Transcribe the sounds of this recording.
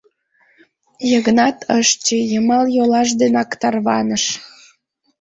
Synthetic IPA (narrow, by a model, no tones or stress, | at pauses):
jəɣənɑt̪ʰəʃt͡ɕejəmɑljolɑʃ̬d̪enɑkt̪ɑrβɑnəʃ